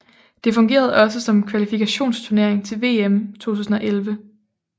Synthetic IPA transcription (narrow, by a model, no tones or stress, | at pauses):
d̥e̝fɔ̽ŋɡ̥e̝̰ːɐð̞̩ˠɒ̽s̬əsɒ̽mkʰʋælifikʰæɕo̝̰ːnst͡sʰuɐne̝ɐeŋt͡sʰe̝lʋe̝̰ːemt͡sʰo̝̰ːt͡sʰṵːsn̩ɒ̽ʔelʋə